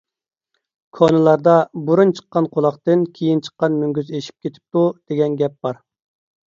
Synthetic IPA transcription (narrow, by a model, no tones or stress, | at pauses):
kʰonɨlˠɑɾd̪ɑbuɾunt͡ʃʰə̥qːɑnqʰolˠɑχt̪ɨnkʲʰejint͡ʃʰə̥qːɑnmyŋɡʲyzeʃi̥p̚kʲet̪ʰɪ̥p̚t̪ud̪̥eɡʲɛnɡʲɛp̚b̥ɑɾ